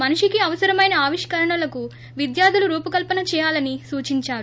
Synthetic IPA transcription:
mɐnuʂikiɐʋɐsɐɾɐmɐjnɐaːʋiʂkɐɾɐɳɐlɐku | ʋid̪jaːd̪ʱuluɾuːpɐkɐlpɐnɐt͡ʃɛːjaːlɐnisuːt͡ʃiɲt͡ʃaːɾu

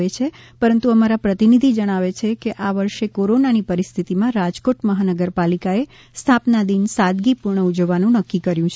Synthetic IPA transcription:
et͡ʃʰe | pəɾənt̪uəmaɾapɾət̪inid̪ʱid͡ʒəɽ̃aʋet͡ʃʰekeʔaʋəɾʃekoɾonanipəɾist̪ʰit̪imãɾad͡ʒkoʈməɦanəɡəɾpalikae | st̪ʰapnad̪insad̪ɡipuɾɳəud͡ʒəʋːanũnəkːikəɾjũt͡ʃʰ

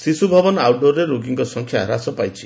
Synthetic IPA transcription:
sisubʱɔbɔnɔawɖoɾeɾoɡiŋkɔsɔŋkʰjaɾasɔpajt͡ʃʰi̥

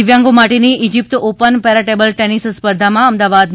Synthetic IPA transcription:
ʋjãŋɡomaʈeniʔid͡ʒip̚t̪opənpɛɾəʈebəlʈenisspəɾd̪ʱamãəmd̪aʋad̪n

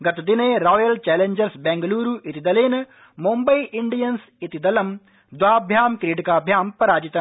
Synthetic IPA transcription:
ɡɐt̪ɐd̪ineːɾoːjɐlt͡ʃɛːleɲd͡ʒɐɾsbeːŋɡɐluːɾuʔit̪id̪ɐleːnɐ | mumbɐiʔiɳɖijɐns | it̪id̪ɐlɐm | d̪ʋaːbʱjaːmkɾiːʈikaːbʱjaːmpɐɾaːd͡ʒit̪ɐ

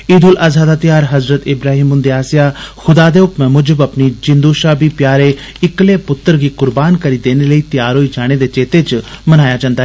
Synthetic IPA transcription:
iːd̪ʊlazaːd̪aːt̪ɪjaːɾɦəzɾət̪ɪbɾaːɦiːmʊnd̪eːaːsɪjaːxʰʊd̪aːd̪eːʊkmɛ̃ːmʊd͡ʒəbəpniːd͡ʒɪ̃nd̪uːʃaːbiːpjaːɾeː | ɪkleːpʊt̪ːəɾɡiːkʊɾbaːnkəɾiːd̪eːneləiːt̪ɪjaːɾɦoːid͡ʒaːɽ̃ed̪eːt͡ʃeːt̪eːt͡ʃmənaːjaːd͡ʒãnd̪aɦɛ

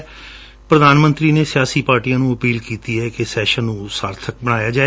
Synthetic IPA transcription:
pɾəd̪aːnmə̃nt̪ɾiːneːsɪjaːsiːpaːɾʈiːjãːnũːəpiːlkiːt̪iːɦɛːkesɛːʃənːũːsaːɾt̪ʰək̚bəɽ̃aːjaːd͡ʒaː

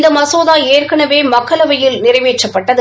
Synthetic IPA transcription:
nd̪ɐmɐsoːðaːeːrkɐɳɐʋeːmɐkːɐɭɐʋɐjɪlnɪrɐɪʋeːt͡ʃːɐpːɐʈːɐðɯ

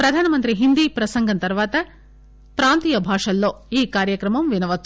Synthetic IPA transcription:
pɾɐd̪ʱaːnɐmɐnt̪ɾiɦind̪iːpɾɐsɐŋɡʱɐnt̪ɐɾʋaːt̪ɐ | pɾaːnt̪iːjɐbʱaːʂɐlːo̞ːiːkaːɾjɐkɾɐmɐmʋinɐʋɐt͡ʃː

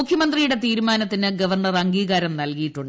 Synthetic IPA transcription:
ukʰjɐmɐnd̪rijuɽe̞t̪iːɾumaːnɐt̪ːinɨɡɐʋɐrɳɐrɐŋɡiːɣaːɾɐmnɐlkijiʈːuɳɖ

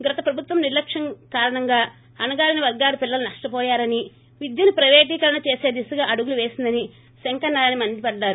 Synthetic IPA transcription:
ɡɾɐt̪ɐpɾɐbʱut̪ʋɐmniɾlɐkʂɐŋkaːɾɐɳɐŋɡaː | ɐnɐɡaːlɐniʋɐɾɡaːlupilːɐlɐnɐʂʈɐpɔːjaːɾɐni | ʋid̪jɐnupɾɐʋeːʈ̬iːkɐɾɐnɐt͡ʃeːse̞ːd̪isuɡaːʔɐɽuɡuluʋeːsind̪ɐni | seŋkɐnːaːɾnimɐnd̪ipɐɖːaːɾu

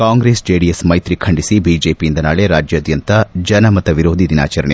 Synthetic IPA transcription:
kaːŋɡɾeːsd͡ʒeːɽijɐsmɐjt̪ɾikʰɐɳɖisibiːd͡ʒeːpijind̪ɐnaːɭeɾaːd͡ʒjɐːd̪jɐnt̪ɐd͡ʒɐnɐmɐt̪ːɐʋiɾoːd̪ʱid̪ina̰ːt͡ʃɐɾɐɳḛ

